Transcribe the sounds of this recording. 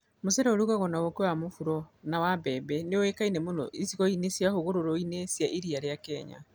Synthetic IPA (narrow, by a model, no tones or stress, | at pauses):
mosɛɾɛoɾukaɣɔnaɣokewamofuɾɔnawabɛbɛneowekainɛmonɔ̰ʔisiɣɔinesjahoɣoɾoɾɔinesjaʔiɾiaɾeakɛɲa̰